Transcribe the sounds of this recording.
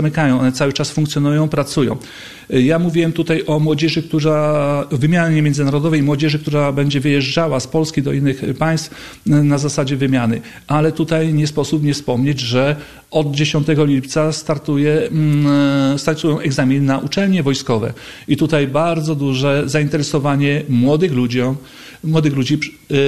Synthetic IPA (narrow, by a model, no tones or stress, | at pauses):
amɘkajɔ̃w̃ɔnɛt̪sawɘt͡ʂasfuŋkt̪sʲjɔnujɔ̃w̃pɾat̪sujɔ̰̃w̃ | jamuvʲiwɛmt̪ut̪ajʔɔmwɔd͡ʑɛʐɘkt̪uavɘmʲjaɲɲemʲjɛnzɘnaɾɔd̪ɔvɛjmwɔd͡ʑɛʐɘkt̪uɾabɛɲd͡ʑɛvɘjɛʐd͡ʐawaspɔlskʲid̪ɔʔinːɘxpaj̃st̪f | nazasad͡ʑɛvɘmʲjanɘ | ʔalɛt̪ut̪ajɲɛspɔsupmɲɛfspɔmɲed͡ʑʐɛ | ɔd̪̚d͡ʑeɕɔnt̪ɛɡɔlʲipt̪sast̪aɾt̪ujɛ | st̪aɾt̪ujɔ̃w̃ʔɛɡzamʲinnaʔut͡ʂɛlɲɛvɔjskɔvɛ̰it̪ut̪ajbaɾd̪zɔd̪uʐɛzaint̪ɛɾɛsɔvaɲɛmwɔd̪ɘxlud͡ʑɔ | mwɔd̪ɘxlud͡ʑi